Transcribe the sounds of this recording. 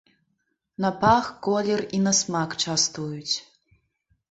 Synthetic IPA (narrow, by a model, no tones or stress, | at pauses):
nɐpaxkolʲɛrinɐsmakt͡ʃast̪ujut͡sʲ